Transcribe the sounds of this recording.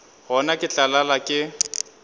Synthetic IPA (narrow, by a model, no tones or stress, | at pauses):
ɦɔnakʼɪt͡ɬʼalalakʼɪ